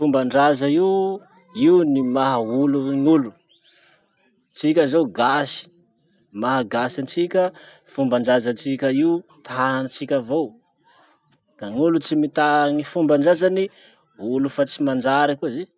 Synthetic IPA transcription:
fumbaɳɖ͡ʐazai | iunimaɦauluŋulu | t͡sikʲazoɡasi̥ | maɦaɡasant͡ʃikʲə | fumbaɳɖ͡ʐazant͡ʃikʲəiut̪ʰaanat͡sikʲavow | ɡ̪̥aŋulut͡simit̪aŋifumbaɳɖ͡ʐazani | ulufat͡simand͡ʒaɾakuzi

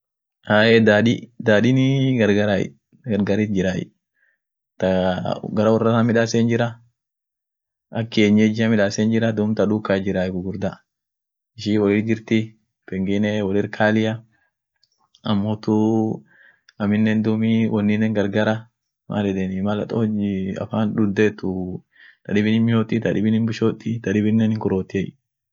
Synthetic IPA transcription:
ʔaːjɛd̪aːᶑɪd̪aːɗɪnɪɡɐɾɡɐɾa̰ | ɡɐɾɡaɾit̪̚d͡ʒɪɾajɪ̰ | t̪ɐɡɐɾɐwɔrːɐtɐmɪᶑaːsend͡ʒɪɾɐ | ɐkːɪeːɲːed͡ʒɪɐmɪᶑaːseːnd͡ʒɪɾɐd̪ʊmt̪ɐᶑukːad͡ʒɪɾaːjɡʊɡʊɾd̪a | ɪʃiwɔlɪɾd͡ʒɪɾt̪ɪ | pɛŋɡɪnewɔlɪɾkʰaːlɪjɐ | ɐmːoːt̪ʊ | ɐmɪnːend̪ʊmiwʔɔnːɪnːɛŋɡɐɾɡaɾɐ | mʔa̰ːlɛᶑɛnɪmɐlɐ̰t̪ʼoɐ̰faːnᶑʊd̪ːeːt̪ːʊ | t̪ɐᶑɪbɪnɪnmɪʃot̪ʼːɪt̪ɐᶑɪbɪnɪnbɪʃoːt̪ʼːɪt̪ɐᶑɪbɪnːɛnɪŋkʊɾoːt̪ːɪɛj

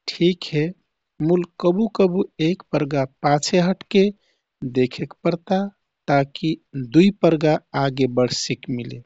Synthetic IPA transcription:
ʈʰikɦe | mulkəbukəbuekpəɾɡapãt͡ʃʰeɦəʈke | d̪ekʰekpəɾt̪a | t̪akid̪uipəɾɡaaɡebəɽsikmile

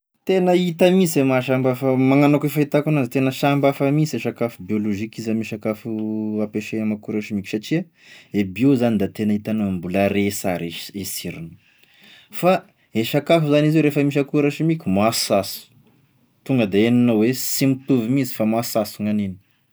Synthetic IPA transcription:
t̪enəit̪amisemaʃambafəmaŋanoakefait̪akunazit̪enəʃambafamiseʃakafubioloʒikizamiʃakafuapeʃeamakuɾaʃimikʲu̥saʈ͡ʂia | ebiozanid̪at̪enəit̪anambulaɾesaɾeesiɾinu̥ | fa | eʃakafuzanizewɾefəmiʃ̬akuɾaʃimikʲumasasu̥ | t̪uŋɡəd̪eenanowesimit̪uvimizi̥famasasuŋanini̥

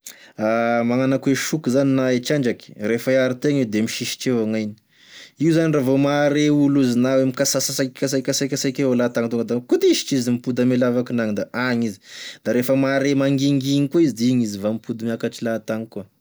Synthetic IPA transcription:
amaŋanakueʃukuzaninaet͡ʃaɳɖ͡ʐaki̥refaaɾit̪eŋid̪emiʃiʃi̥ʈ͡ʂewaŋajni̥ | iuzaniravomaɾeuluzinawemikasasasakkas̬akʲasakʲasakealat̪aŋt̪uŋɡad̪akut̪iʃi̥ʈ͡ʂizimipud̪əmelavakinaŋid̪aʔaŋizi̥d̪aɾefəmaɾemaŋɡiŋɡiŋikuizd̪iŋizivamipud̪amiakaʈ͡ʂilat̪aŋikua

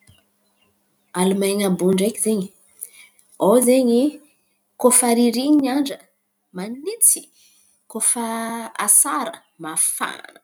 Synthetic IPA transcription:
alumajɲabuɳɖ͡ʐakizeɲi | owzeɲi | kofaɾiɾiɲiɲaɳɖ͡ʐə | manit͡si̥ | kofəa̰saɾə | mafa̰nə

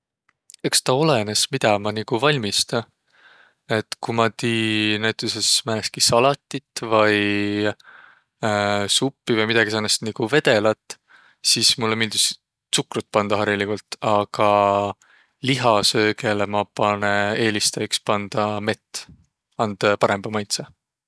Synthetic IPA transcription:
e̞kst̪ɑo̞le̞ne̞smid̪̥ɑmɑnikuvɑlʲmist̪ɑ | e̞t̪kumɑt̪iːnæjt̪ˑusesmæːleskisɑlɑt̪ʲːˑit̪vɤj | supːivɤjmid̪ɑɡisɑnest̪niɡ̥uve̞d̪e̞lɑt̪ːˑ | siːsmulːemild̪is | sukrut̪̚ˑpɑnd̪̥ɑɦɑɾilikult̪ɑɡ̥ɑ | liɦɑsø̞ːɡe̞lemɑpɑnee̞ːlist̪ɑjikspɑnd̪̥ɑme̞t̪ːˑ | ɑnd̪̥pɑɾe̞mbɑmɑjt̪sɑ

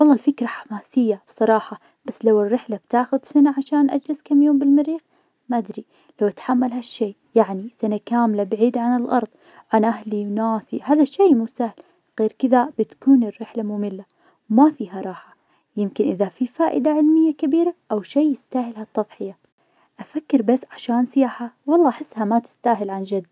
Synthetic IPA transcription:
wɑlˤːɑːlfɪkɾˤɑħḁmaːsɪjːab̥sˤɑɾˤɑːħɑ | b̥asːlawɪrːɪħlab̥t̪aːxʊðsanaʕaʃaːnʔa̰d͡ʒlɪskamjoːmbɪlmɪɾiːx | maʔad̪ɾi | lawʔat̪ħamːalɦaʃːeː | jaʕnisanakaːmlabaʕiːd̪ʕanɪlʔɑ̰ɾˤðˤ | ʕanʔahliwnaːsihaːðaʃːeːmusaːhl | ɣeːɾkɪðabɪt̪kuːnɪrːɪħlamʊmɪlːa | wmafiːɦaɾˤɑːħa | jɪmkɪnʔɪðafifaːʔɪd̪aʕɪlmɪjːakɪbiːɾaʔawʃeːɪst̪aːhɪlɦat̪ːɑðˤħɪja | ʔafakːɪɾbasːʕaʃaːnsɪjaːħawɑlˤːɑːʔaħɪsːhamat̪ɪ̥st̪aːɦɪlʕand͡ʒad̪ː

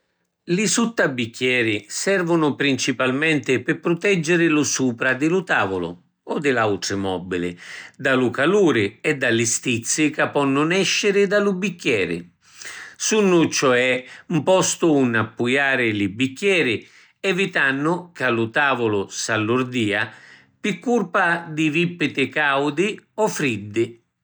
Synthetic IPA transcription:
lɪsut̪ːabikːjɛːɾɪsɛrvʊnʊpɾint͡ʃipalmɛnt̪ɪpɪpɾʊt̪ɛd͡ʒːɪɾɪlʊsuːpɾad̪ɪlʊt̪aːvʊlʊ̰ | ɔd̪ɪlawt̪ɾɪmɔbilɪ̰d̪alʊkaluːɾɪɛd̪ːalɪst̪it̪sːɪkapːɔnːʊnɛʃːɪɾɪd̪alʊbikːjɛːɾɪ̰ | sunːʊt͡ʃɔɛumpɔst̪ʊːnːapːujaːɾɪlɪbːikːjɛːɾɪ | ɛvit̪anːʊkalʊt̪aːvʊlʊsalːʊɾd̪iːa | pikːurpad̪ɪivipːɪt̪ɪkawd̪ɪɔfɾid̪ːɪ

